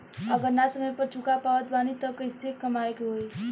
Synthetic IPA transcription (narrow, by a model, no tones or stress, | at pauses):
əɡəɾnasəməjpəɾt͡ʃʰukapaʋət̪banit̪əkəjsekːəmaekɦoj